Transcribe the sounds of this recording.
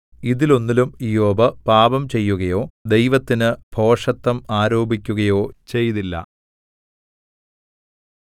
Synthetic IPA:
iðilo̞nːilumijoːbɐpaːbɐmt͡ɕe̞jːuɣɐjo̞ːd̪ejʋɐt̪ːinɨbʱo̞ːʂɐt̪ːɐmaːɾo̞ːbikʲːuɣɐjo̞ːt͡ɕe̞jt̪ilːɐ̰

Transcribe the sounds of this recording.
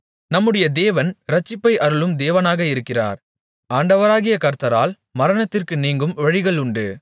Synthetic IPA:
nɐmːɯɽɐjɐd̪eːʋɐnɾɐt͡ʃːɪpːɐɪʔɐɾɯɭɯmd̪eːʋɐnaːɣɐɪɾɯkːɪra̰ːɾ | aːɳɖɐʋɐɾaːɣɪjɐkɐɾt̪ɐɾaːl | mɐɾɐnɐt̪ːɪrkɯniːŋɡɯmʋɐɻɪɣɐɭʊɳɖɯ

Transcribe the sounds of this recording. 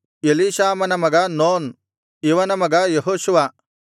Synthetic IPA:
eliʃaːmɐnɐmɐɡɐnoːn | iʋɐnɐmɐɡɐjeɦoːʃuʋa

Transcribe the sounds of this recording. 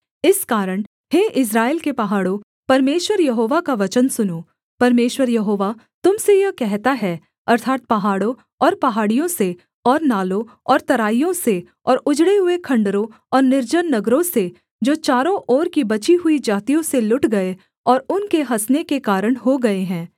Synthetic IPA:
ɪskaːɾəɽ̃ | ɦeːʔɪs̬ɾaːeːlkepɐɦaːɽõ | pɐɾmeːʃwəɾjɐɦoːʋakaʋɐt͡ʃənsʊnoː | pɐɾmeːʃwəɾjɐɦoːʋa | t̪ʊmsejɐkɛɦt̪aɦɛː | ɐɾt̪ʰaːt̪̚pɐɦaːɽõ | ɔːɾpɐɦaːɽijõse | ɔːɾnaːlõɔːɾt̪ɐɾaːijõse | ɔːɾʊd͡ʒɽeɦʊekʰɐ̃ɳɖəɾõ | ɔːɾnɪɾd͡ʒənːɐɡɾõse | d͡ʒoːt͡ʃaːɾõʔɔːɾkibɐt͡ʃiɦʊid͡ʒaːt̪ijõselʊʈɡɐe | ɔːɾʊnkeɦɐsnekekaːɾəɽ̃ɦoɡɐeɦɛ̃ː

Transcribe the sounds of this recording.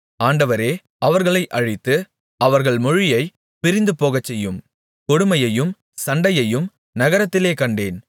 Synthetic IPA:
aːɳɖɐʋɐɾeː | ɐʋɐɾɣɐɭɐɪʔɐɻɪt̪ːɯ | ɐʋɐɾɣɐɭmɔɻɪjɐɪ | pɪɾɪnd̪ɯpoːɣɐt͡ʃːɛjːɯm | kɔɽʊmɐjɐjɯm | sɐɳɖɐjɐjɯm | nɐɣɐɾɐt̪ːɪleːkɐɳɖeːn

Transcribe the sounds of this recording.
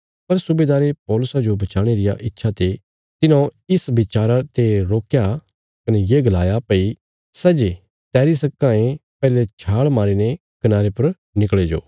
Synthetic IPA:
pɐɾsʊbeːd̪aːɾepɔːlʊsad͡ʒobɐt͡ʃaːɽ̃eɾɪja̰ʔɪtːʃʰat̪e | t̪ɪnõɪsbɪt͡ʃaːɾat̪eɾoːkja | kɐnɛjeːɡɐlaːjapɐi | sɛːd͡ʒe | t̪ɛːɾisɐkːãːẽpɛːlet͡ʃʰaːɭmaːɾinɛ̃ | kɐnaːɾepɐɾ | nɪkɭed͡ʒo̰ː

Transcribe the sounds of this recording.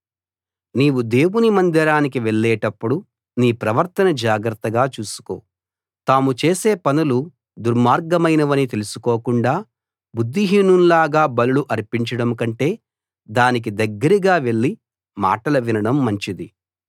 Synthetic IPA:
niːwud̪e̞ːwunimɐnd̪ɐɾaːnikiʋe̞ɭːɛːʈɐpːuɽu | niːpɾɐʋɐɾt̪ɐnɐd͡ʒaːɡɾɐt̪ːɐɡaːt͡ʃuːsu̥ko̞̰ː | t̪aːmut͡ʃe̞ːse̞ːpɐnulu | d̪uɾmaːɾɡɐmɐjnɐʋɐnit̪e̞lusu̥ko̞ːkuɳɖaː | bud̪ːiɦiːnunlaːɡaːbɐluluʔɐɾpiɲt͡ʃɐɽɐmkɐɳʈe̞ː | d̪aːnik̬id̪ɐɡːɐɾiɡaːʋe̞ɭːi | ma̰ːʈɐlɐʋinɐɽɐmːɐɲt͡ʃid̪i

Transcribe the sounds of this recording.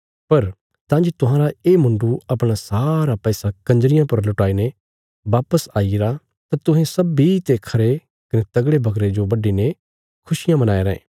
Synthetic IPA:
pɐɾ | t̪ãːnd͡ʒit̪ʊɦãːɾaeːmʊ̃ɳɖuɐpɽ̃asaːɾapɛːsakɐ̃nd͡ʒɾɪjãpɐɾlʊʈaːine | ʋaːpəsaːiɾa | t̪at̪ʊɦẽsɐbit̪ekʰɐɾe | kɐnet̪ɐɡɽebʱɐkɾed͡ʒobɐɖine | kʰʊʃɪjãmɐnaːeɾɐḛ̃ː

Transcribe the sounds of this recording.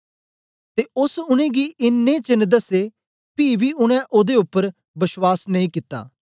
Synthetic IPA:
t̪eʊsʊñẽːɡiʔɪnːẽt͡ʃɪnːd̪əse | piːbʱiʊɽ̃ɛ̃ʔoːd̪eʊpːəɾ | bɪswaːsnɐĩkɪt̪ːa̰ː

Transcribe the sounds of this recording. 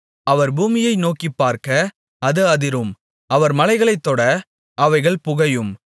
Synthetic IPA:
ɐʋɐɾbuːmɪjɐɪnoːkɪpːaːɾkɐ | ɐðɯɐðɪɾɯm | ɐʋɐɾmɐlɐɪɣɐɭɐɪt̪ːoːɽɐ | ɐʋɐɪɣɐɭpʊɣɐjɯm

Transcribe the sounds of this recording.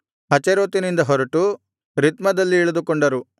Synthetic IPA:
ɦɐt͡ʃeɾoːt̪inind̪ɐɦɔɾɐʈu | ɾit̪mɐd̪ɐlːiːɭɐd̪ukɔɳɖɐɾu

